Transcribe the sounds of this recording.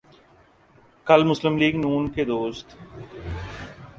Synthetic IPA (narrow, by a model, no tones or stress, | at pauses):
kɐlmʊslɪmliːɡnuːnked̪oːst̪